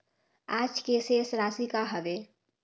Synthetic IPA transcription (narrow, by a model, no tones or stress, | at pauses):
aːd͡ʒkesesɾaːsikaɦəʋeː